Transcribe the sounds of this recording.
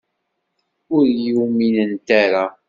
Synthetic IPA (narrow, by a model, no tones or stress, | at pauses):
ʊɾjuminənt̪aɾa